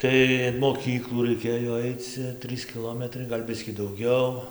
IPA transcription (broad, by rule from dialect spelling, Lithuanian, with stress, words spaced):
ˈtɐɪ ɪn moːˈkʲiːklˠuː rɐɪˈkʲeːjoː ˈɐɪt͡s t͡sʲɛ ˈtrɨs kʲɪˈlˠoːmʲɛtrɐɪ ɡɐlʲ ˈbʲɪsʲkʲiː dɐʊˈɡʲɛʊ